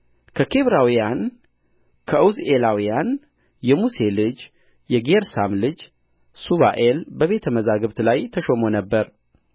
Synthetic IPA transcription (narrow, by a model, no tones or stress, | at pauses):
kʰəkʰe̞βɾawijan | kʰəʔɨwze̞lawijan | jɛmuse̞lɨd͡ʒ | jɛɡeɾsamlɨd͡ʒ | suβa̰ʔe̞lbəβe̞t̪ʰəməzaɡɨβt̪lajt̪ʰəʃo̞mo̞nəbːəɾ